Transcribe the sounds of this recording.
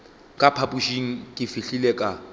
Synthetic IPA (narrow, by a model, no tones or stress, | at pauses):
kʼapʰapuʃiŋ̩kʼɪfiɬilɛkʼa